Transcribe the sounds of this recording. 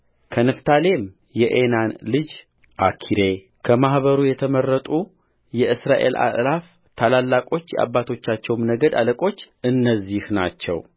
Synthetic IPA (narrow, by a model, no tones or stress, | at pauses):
kʰənɨft̪ʰale̞m | jɛʔenanlɨd͡ʒ | ʔakʰiɾe | kʰəmahβəɾujɛt̪ʰəmərːət̪ʼu | jɛʔɨsɾaʔe̞̰lʔa̰ʔlaf | t̪ʰalalːakʼo̞t͡ʃːjɛ̰ʔa̰bːat̪ʰo̞t͡ʃːat͡ʃːɛwmnəɡəd̪a̰ləkʼo̞t͡ʃː | ɨnːəzːihna̰t͡ʃːɛ̰w